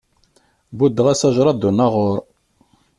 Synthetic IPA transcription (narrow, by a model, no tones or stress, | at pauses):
bud̪ːəʁæsæʒɾˤɑd̪unaʁoɾˤ